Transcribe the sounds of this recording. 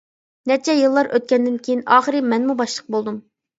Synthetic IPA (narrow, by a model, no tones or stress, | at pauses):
nɛt͡ʃʰɛjɨlˠːɑɾʔøt̪̚kʲɛnd̪ɪnkʲʰejinɑːχəɾɨmɛnmubɑʃlˠəq̚bolˠd̪um